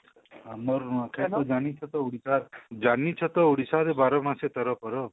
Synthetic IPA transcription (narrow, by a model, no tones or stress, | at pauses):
amɔɾnakʰajtɔd͡ʒanit͡ʃʰɔt̪ɔuɽisaɾd͡ʒanit͡ʃʰɔt̪ɔuɽisaɾebaɾɔmãset̪ɔɾɔpɔɾɔ